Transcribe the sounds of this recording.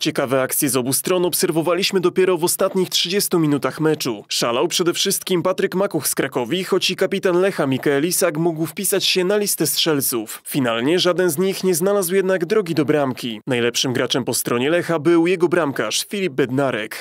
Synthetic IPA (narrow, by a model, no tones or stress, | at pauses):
t͡ɕɛkavɛak̚t̪sʲjɛzɔbust̪ɾɔnɔpsɛɾvɔvalʲiɕmɘd̪ɔpʲjɛɾɔvɔst̪at̪ɲixtʂɘd͡ʑɛst̪umʲinut̪axmɛt͡ʂuʂalawpʂɛd̪ɛfʂɘst̪̚kʲimpat̪ɾɘkmakuxskɾakɔvʲixɔt͡ɕikapʲit̪anlɛxamʲikaɛlʲisakmuɡwfpʲisat͡ɕɕɛnalʲist̪ɛstʂɛlt̪suffʲinalɲɛʐad̪ɛnzɲixɲɛznalazwjɛd̪naɡd̪ɾɔɡʲid̪ɔbɾamkʲinajlɛpʂɘmɡɾat͡ʂɛmpɔst̪ɾɔɲɛlɛxabɘwjɛɡɔbɾamka̰ʂfʲilʲib̚bɛd̪naɾɛ̰k